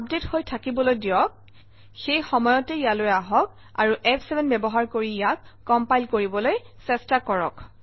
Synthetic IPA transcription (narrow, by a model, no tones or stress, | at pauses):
b̚dethojtʰakibɔlojdijɔk̚ | xejxɔmɔjɔtɛijalojaɦɔk̚ | a̰ɹuʔɛpʰsɛbɛnbɛbɔɦaɹkoɹijakːɔmpajlkoɹibɔlojsɛstakɔɹɔ̰k